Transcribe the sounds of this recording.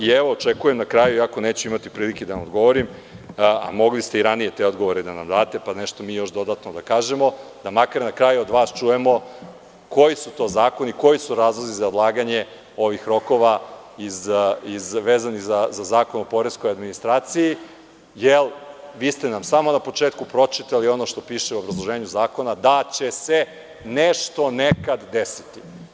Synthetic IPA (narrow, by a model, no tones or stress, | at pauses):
ieʋo̞ːt͡ʃekuje̞mnakɾaːjuiako̞neːt͡ɕuimat̪ipɾiːliked̪aamod̪ɡo̞ʋo̞ɾim | a̰mo̞ɡlist̪eiɾanije̞t̪e̞o̞d̪ɡo̞ʋo̞ɾed̪ana̰md̪aːt̪e̞pane̞ʃt̪omiːjo̞ʃd̪o̞d̪at̪nod̪akaːʒe̞mo̞d̪amakaɾnakɾaːjuod̪ʋaːst͡ʃuje̞mo̞ | ko̞jisut̪o̞ːzaːko̞niko̞jisuɾaːzlˠo̞zizaod̪lˠaːɡaɲe̞ | o̞ʋixɾo̞ko̞ʋaizizʋeːzaniɣzazazaːko̞nopo̞ɾesko̞jad̪minist̪ɾaːt̪siji | jelʋiːst̪enamsaːmo̞napo̞t͡ʃeːt̪kupɾo̞t͡ʃit̪alio̞no̞ʃt̪o̞piːʃeuobɾazlˠo̞ʒeːɲuzaːko̞nad̪at͡ɕe̞se | neʃt̪o̞nekad̪d̪esi̥t̪i̥